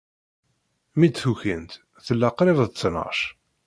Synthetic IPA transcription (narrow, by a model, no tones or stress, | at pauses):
mid̪θuçənt̪ | θəlːaqɾɪvðt͡sːnə̰ʁʃ